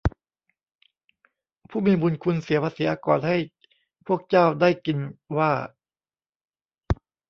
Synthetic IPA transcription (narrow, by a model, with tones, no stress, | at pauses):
pʰuː˥˩miː˧bu˧nkʰu˧nsi˨˩˦pʰa˧siː˨˩˦ʔa˧kɔː˨˩nha˥˩j | pʰu˥˩ək̚t͡ɕaː˥˩wdaː˥˩jki˧nwaː˥˩